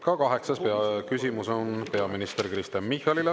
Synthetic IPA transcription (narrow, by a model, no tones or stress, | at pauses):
kɑkɑɦe̞ksɑspeɑkysʲimuso̞npe̞ɑminist̪erkrist̪enmihɑlile